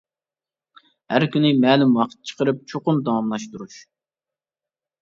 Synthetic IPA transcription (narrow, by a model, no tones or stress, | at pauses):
hæɾkʲynɪmɛːlymwɑqʰt̪̚t͡ʃʰə̥qəɾɨp̚t͡ʃʰoqʊnd̪ɑwɑmlˠɑʃt̪uɾuʃ